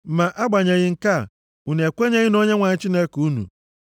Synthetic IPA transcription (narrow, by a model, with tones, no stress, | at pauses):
ma˨ʔa˦ɡ͡ba˨ɲe˨ɣɪ˦ŋ̩˨ka˦˨ | u˨ne˨kʷe˦ɲe˦ɣɪ˦no˦ɲe˦ŋʷa˨ɲɪ˦t͡ʃi˦ne˦ku˦nṵ˨